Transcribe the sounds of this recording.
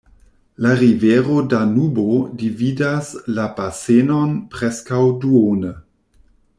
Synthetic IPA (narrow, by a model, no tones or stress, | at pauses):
laɾiveɾodanubodividaslabasenonpɾeskawduonə